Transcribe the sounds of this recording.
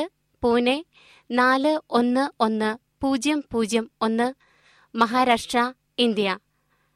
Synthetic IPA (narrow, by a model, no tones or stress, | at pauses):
ɨ | puːne | naːlɨo̞nːɨo̞nːɨ | puːd͡ʑjɐmpuːd͡ʑjɐmo̞nːɨ | mɐɦaːɾaːʂʈrɐ | ind̪jɐ